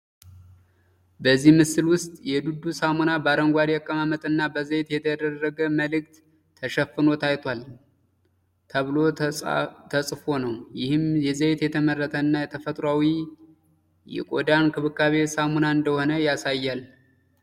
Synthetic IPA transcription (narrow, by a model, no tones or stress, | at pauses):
bəzːihmɨsɨlwʊst̪ʼjɛd̪ud̪usamonabaɾəŋɡʷad̪akʼːəmamət̪ʼɨnːabəzəjt̪jɛt̪ʰəd̪ərːəɡəməlɨk̚t̪ʰː | əʃəfːɨno̞t̪ʰajt̪ʰwal | t̪ʰəβɨlo̞ | t̪ʰəsʼfo̞nəwjɪhɨmjɛzejt̪jɛt̪ʰəmərːət̪ʰəɨnːajɛt̪ʰəfət̪ʼɾwawi | jɛ̰kʼo̞̰d̪ankʰɨβɨkːaβe̞samonaɨnd̪əho̞nəjasajːal